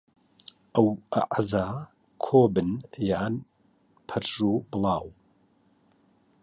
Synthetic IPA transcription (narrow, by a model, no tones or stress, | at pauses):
ʔɐwʔa̰ʔza | kʰoːbɨnjaːn | pʰɐɾʒuːbɨlˠɑːw